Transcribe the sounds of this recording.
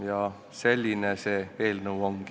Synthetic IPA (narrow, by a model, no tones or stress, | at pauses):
jɑ | selʲːineseʋeːlnowoŋɡ̥